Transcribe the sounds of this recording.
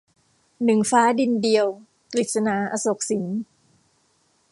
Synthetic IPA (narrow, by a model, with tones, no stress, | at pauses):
nɯ˨˩ŋfaː˦˥di˧ndi˧əw | kli˨˩t̪̚sa˧naː˩˦ʔa˧so˨˩k̚si˩˦n